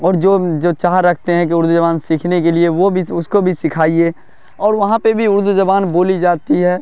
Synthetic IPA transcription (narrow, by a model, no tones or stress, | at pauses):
ɔːɾd͡ʒoːd͡ʒoːt͡ʃaːɦɾɐkʰt̪eɦɛ̃k̬iʊɾd̪ud͡ʒɐbaːnsikʰnekelieʋobʱiʊskobʱisɪkʰaːieː | ɔːɾʋɐɦãpebʱiʊɾd̪ud͡ʒɐbaːnboːlid͡ʒaːt̪iɦɛː